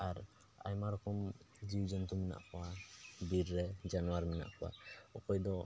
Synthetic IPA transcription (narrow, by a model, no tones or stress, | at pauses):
aɾ | a̰jmaɾɔkʰɔm | d͡ʒiwd͡ʒɔnt̪umɛna̰ʔkʰɔwad̪iɾːɛd͡ʒanuwaɾmɛna̰ʔkɔwa̰ɔkɔjd̪ɔ